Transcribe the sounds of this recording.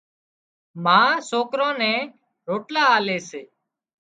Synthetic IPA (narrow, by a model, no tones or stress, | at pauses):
mãːsoːkɾõːnɛ̃ː | ɾoːʈlaːaːleːseː